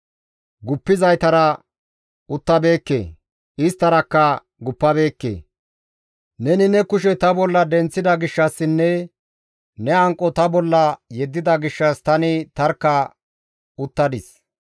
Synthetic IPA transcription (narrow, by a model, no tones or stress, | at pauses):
ɡʊpːɪzɐjt̪ɐɾɐ | ʊt̪ːɐbe̞ːkːḛː | ɪst̪ːɐɾɐkːɐ | ɡʊpːɐbe̞ːkːḛː | nɛnɪnɛkʊʃ̬ɛt̪ɐbɔlːɐd̪ɛnt͡sːɪd̪ɐɡɪʃːɐsːɪnːɛ | nɛɐŋkʼːɔt̪ɐbɔlːɐjɛd̪ːɪd̪ɐɡɪʃːɐst̪ɐnɪt̪ɐɾkːɐ | ʊt̪ːɐd̪ɪs